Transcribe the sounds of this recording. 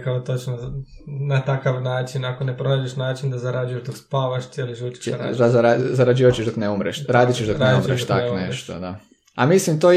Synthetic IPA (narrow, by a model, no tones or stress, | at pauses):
kaot̪ot͡ʃnonat̪akaʋnaːt͡ʃinako̞ne̞pɾonad͡ʑaʃnaːt͡ʃind̪azaɾad͡ʒujeʒd̪okspaʋaʃt̪jeliʒut͡ʃaaɾazaɾad͡ʒiʋat͡ʃeʃd̪okneumɾeʃɾaːd̪it͡ʃeʒd̪okneumɾeʃt̪akoneʃtt̪od̪a | amislimt̪oː